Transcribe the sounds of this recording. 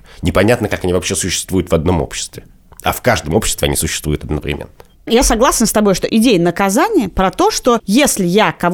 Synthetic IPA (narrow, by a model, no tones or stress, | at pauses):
nʲɪpɐnʲat̪nəkakɐnʲivɐpɕːesʊɕːɪ̥st̪vujʊt̪vɐd̪no̞mo̰pɕːɪ̥st̪vʲɪ | ɐ̰fkaʐd̪əmo̞pɕːɪst̪vʲɪɐ̰nʲisʊɕːɪ̥st̪vujʊt̪ɐd̪nəvɾʲɪ̰mʲḛnːə | jasɐɡlˠasʲɪnst̪ɐbo̞jʂt̪oʔɪdʲejənəkɐzanʲɪjəpɾɐt̪o̞ʂt̪o̞jesʲlʲɪjakɐv